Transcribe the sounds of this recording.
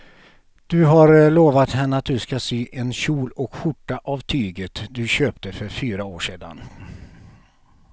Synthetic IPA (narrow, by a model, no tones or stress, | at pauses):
d̪̥ɵɦaɾɭoːvat̪hɛnːəat̪̚d̪ɵskasyːʔɛnɕuːlɔkɧʊʈːaʔavt̪ʰyːɡət̪d̪ɵɕøːpt̪əfœɾfyːɾaoːʂeːd̪a̰n